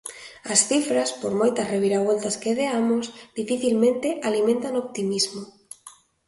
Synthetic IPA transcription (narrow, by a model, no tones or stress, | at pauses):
ɐsθifɾaspoɾmojt̪ɐsreβiɾaβ̞olt̪askeðeamosd̪ifiθilmẽnt̪eʔalimẽnt̪anop̚t̪imizmo